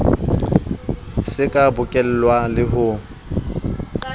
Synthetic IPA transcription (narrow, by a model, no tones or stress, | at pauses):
sɪkʼabʊkʼɛl̩lwalɪɦʊ